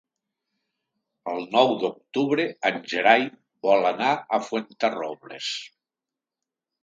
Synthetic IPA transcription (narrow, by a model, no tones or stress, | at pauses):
əlˠnɔwd̪ok̚t̪uβɾeanʲʒeɾaj | bɔlanaəfwent̪əroβlḛs